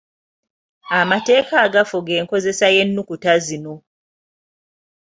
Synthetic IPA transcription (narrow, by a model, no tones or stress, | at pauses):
amate̞ːkaːɡafuɡe̞ːŋko̞ze̞saje̞nːukutazino̞